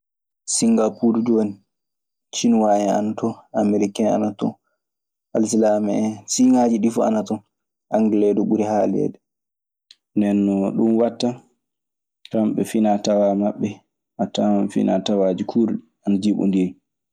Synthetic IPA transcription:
siŋɡapuɾdoni | t͡ʃinwaɛa̰natɔameɾikɛna̰natɔ | ʔals̬ilamɛɛsiŋad͡ʒiɗifɔa̰natɔ | ʔaŋɡɛlɛdɔɓuɾihalɛ̰dɛ | ndɛnːɔɗunwatːa | tɾamɓɛfinatawamaɓːɛ | ʔatamanfḭnatawad͡ʒikʰuɾɗi | anad͡ʒiɓɔ̰ndiɾi

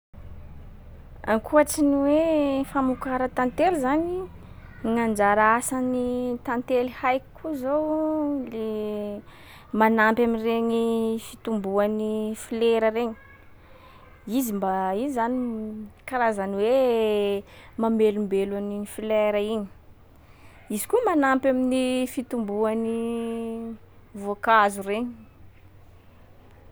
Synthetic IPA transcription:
a̰ŋkʰuaʈ͡ʂiniwefamukaɾat̪ant̪eɾuzani | ŋand͡ʒaɾaasanit̪ant̪elihajki̥kʰuzowle | manampaminreɲifit̪umbuanifileɾəɾeɲi̥ | izimbaizanikaɾazaniwe | mamelumbelaninifilɛɾəiɲi̥ | izi̥kumanampaminifit̪umbuani | vokazureɲi̥

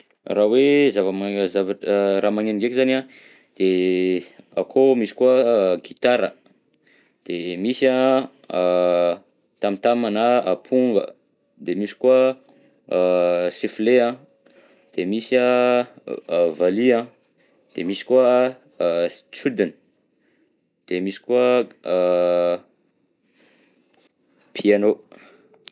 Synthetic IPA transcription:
rawezavəmazavaɾamaŋeniŋɡekzanã | d̪̥e | a̰kʰomisi̥kuəɡit̪aɾə̰ | d̪̥emisã | t̪amit̪amanaapʰuŋɡə̰ | d̪emisi̥kuə | sefleã | d̪̥emisa | valiã | d̪̥emisi̥kua | st͡sud̪ən | d̪̥emisi̥kuə | pʰiano

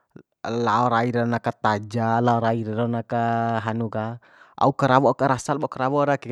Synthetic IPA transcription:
laɔɾaiɾaɔnakat̪ad͡ʒalaɔɾaiɾaɾɔnakaɦanuɡa | a̰ukəɾaβɔʔkaɾasalbɔʔkəɾaβɔɾakɛ

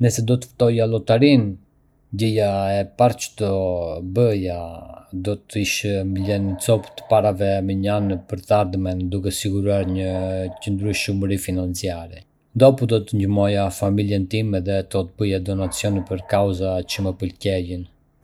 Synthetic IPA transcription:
nəsɛd̪ɔt̪ə̥ft̪ɔjalɔt̪aɾin | ɟəjaɛpaɾt͡ʃə̥t̪ɔbəjad̪ɔt̪iʃmbilɛnət͡sɔpt̪ə̥paɾavɛmɛɲanpəɾt̪əaɾd̪mɛnd̪ukɛsiɡuɾuaɾɲəcənd̪ɾuʃumɾifinant͡siaɾɛ | nd̪ɔpud̪ɔt̪əɲəmɔjafamiljɛnt̪imɛðɛt̪ɔt̪əbəjad̪ɔnat͡sjɔnipəɾkawzat͡ʃəmɛpəlcɛjən

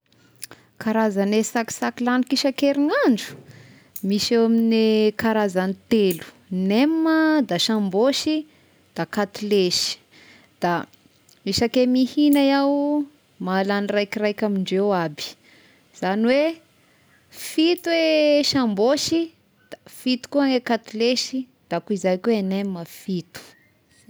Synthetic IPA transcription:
kʰaɾazanesaki̥sakilanikiʃakeɾiŋaɳɖ͡ʐu̥ | miʃewaminekaɾazanit̪elu̥ | nemːəd̪aʃamboʃi | d̪̥akat̪ileʃi̥ | d̪̥a | miʃakemihinajaw | malanirajkirajkʲamiɳɖ͡ʐewabi̥ | z̥aniwe | fit̪uweʃamboʃi | d̪̥afit̪u̥kuaŋekat̪ileʃi | d̪̥akuizajkeenemːəfit̪u̥

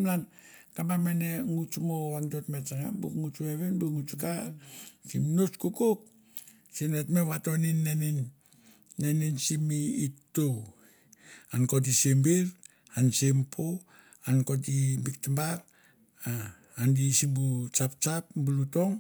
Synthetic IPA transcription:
mnankambameneŋut͡ʃumowaŋdotmet͡ʃaŋabṵkŋut͡ʃueβenbuŋut͡ʃuka | simnot͡ʃkukok̚ | sinetmeβatoninːeninː | eninsimiːtːow | ankot̬isembiɾ | ansempʰo | ankot̬ibik̚tambaɾ | a | andisimbut͡ʃapt͡ʃapbulutoŋ

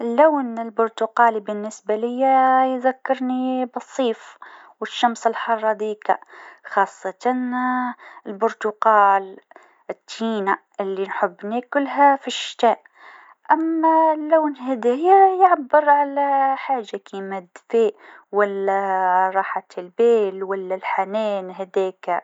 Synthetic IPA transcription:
lːawnɪlbʊɾt̪ʊqɑːlibɪnːɪsbalɪjːajðakːɑɾnibɑsˤːiːf | wɪʃːɑmsɪlħɑrˤːɑd̪iːka̰xɑːsˤːɑt̪ɑn | ɪlbʊɾt̪ʊqɑːl | ɪt̪ʰːiːnaʔɪlːinħʊbːnikʊlːɦafiʃːɪ̥t̪aːʔ | ʔamːalaːnhɪd̪æːjajʕabːɪɾʕalaħaːʒakimad̪feːʔwalːaɾˤɑːħat̪ɪlbeːlwalːalħaneːnɦæd̪ɛːk

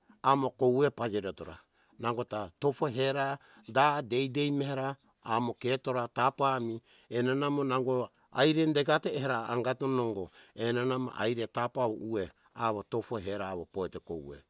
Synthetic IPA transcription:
amoko̞wepad͡ʒeɾotoɾa̰ | naŋɡo̞tatopoɦeɾa | dade̞jde̞jmeheɾaː | mo̞keto̞ɾatapami | enanamonaŋɡo | ajɾe̞ndeɡateːheɾaːŋɡatonoŋɡo̞enanama̰ʔajɾetapaβo̰ue̞ | aβoto̞poɦeɾaβopoeteko̰wḛ

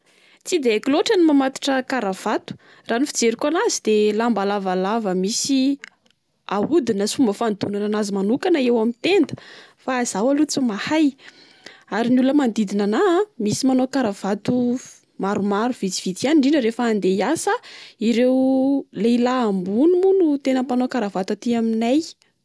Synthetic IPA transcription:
t͡sid̪eakiloʈ͡ʂənimamat̪i̥ʈ͡ʂəkaɾav̥at̪u̥ | ranifid͡zeɾikʲanazid̪̥elambalavalavəmisi | aud̪inəsumbəfand̪unananazimanukanəewamint̪end̪ə̥faːz̥awalut͡sumahaj | aɾiniuləmand̪id̪inanamisimanokaɾav̥at̪u | maɾumaɾuv̥it͡si̥v̥it̪ianiɳɖ͡ʐinəɾefəːnd̪ejasəiɾewleilaːmbunumunut̪enəpanokaɾavat̪at̪iaminaj

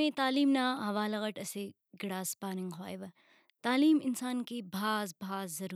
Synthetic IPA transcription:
ẽt̪aːliːmnaːɦɐʋaːlɐɣɐʈɐse | ɡɪɽaːspaːnɪ̃ŋɡɦwaːjʋɐ | t̪aːliːmɪnsaːnkebʱaːzbʱaːzːɐɾuː

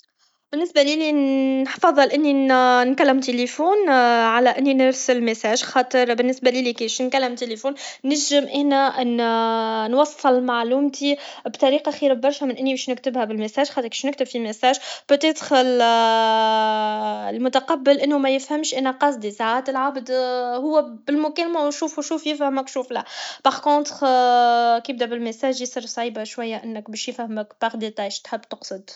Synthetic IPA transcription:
bɪnːɪsbæliːliħfɑðˤːɑlʔɪnːinkælːɪmt̪elefuːnʕalæʔɪnːinɪɾsəlmɪsæːʒxɑːt̪ˤɨɾbɪnːɪsbæliːlikiːʃnkælːɪmt̪elefuːnːæʒɪmʔæːnæʔn | nwɑsˤːɨlmaʕluːmt̪ibt̪ˤɑɾiːqɑxiːɾabbɑɾˤʃæmɪnʔɪnːibɛːʃnɪkt̪ɪbhæbɪlmɪsæːʒxɑːt̪ɾki̥ʃnɪk̚t̪ɪbfimɪsæːʒb̥et̪ɛːt̪xl | lmʊt̪aqɑbːɪlʔɪnːumæjɪfhæmʃʔænæqɑs̬ˤd̪isaʕaːt̪ɪlʕabd̪hʊwːæbɪlmʊkælmæwʃuːfuʃuːfjɪfhæmɪkʃuːflæb̥ɑʁkõːt̪ʁ | kəb̚d̪æbɪlmɪsæːʒjsˤɨɾsˤʕiːbaʃwæjːæʔɪnːɪkbɛːʃjɪfhmɪkbɑɣd̪it̪ˤʕiʃt̪ħɪbːt̪ʊqsˤɨd̪

